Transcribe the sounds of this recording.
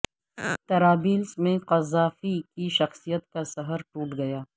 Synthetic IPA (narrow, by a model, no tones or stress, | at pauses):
t̪ɐɾaːbiːlsmẽqɐzaːfikiʃɐxsijət̪̚kasɐɦəɾʈuːʈɡɐjaː